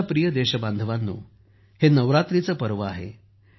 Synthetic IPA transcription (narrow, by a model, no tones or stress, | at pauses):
pɾijəd̪eɕəband̪ʱəʋanːṵː | henəʋɾat̪ɾit͡səːpəɾʋəaɦḛ